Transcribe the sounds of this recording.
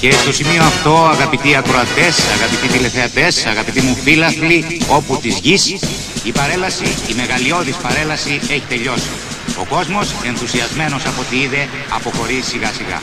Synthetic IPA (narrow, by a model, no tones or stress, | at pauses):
ce̞st̪o̞simio̞ɐft̪o̞ɐɣɐpit̪iɐkɾo̞ɐt̪e̞sɐɣɐpit̪it̪ile̞θe̞ɐt̪e̞sɐɣɐpit̪imufilɐθlio̞put̪izʝis | ipɐɾelɐsiːme̞ɣɐlio̞ðispɐɾe̞lɐsie̞çi̥t̪e̞ʎo̞si | o̞ko̞zmo̞se̞nθusiɐzme̞no̞sɐpo̞t̪iiðe̞ | ɐ̰po̞xo̞ɾisiɣɐsiɣɐ̰